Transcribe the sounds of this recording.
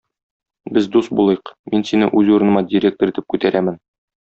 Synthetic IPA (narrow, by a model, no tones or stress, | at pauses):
bɘzd̪ust̪̚bulˠɤjɤqminsinɘ̰ʔʉzuɾɤ̆nɤ̆mɑdʲiɾʲek̚t̪oɾit̪ɘp̚kʉt̪æɾʔæmɘn